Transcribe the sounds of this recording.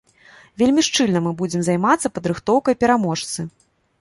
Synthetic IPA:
vʲelʲmʲiʂt͡ʂɨlʲnɐmɨbud͡zʲɛmzajmat̪sːɐpɐd̪ɾɨxt̪ɔwkɐjpʲɛɾamɔʂt̪sɨ

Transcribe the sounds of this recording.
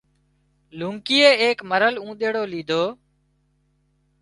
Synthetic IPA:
lũːŋkiːeːeːkməɾəlũːɗ̪eːɽoːliːd̪ʱoː

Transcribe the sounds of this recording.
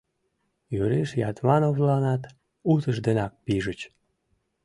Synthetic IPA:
jyɾeʃjɑt̪mɑnovlɑnɑt̪ | ut̪əʃd̪enɑk̚piʒət͡ɕ

